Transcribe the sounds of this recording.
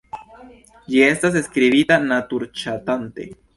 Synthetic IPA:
d͡ʒie̞stas̬e̞skɾiβitanatuɾt͡ʃatant̪e̞̰

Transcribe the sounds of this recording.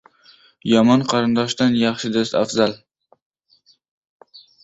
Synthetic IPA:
jɒmɒnqʰɑɾɪnd̪ɒʃd̪anjɑχʃɪd̪ost̪afzal

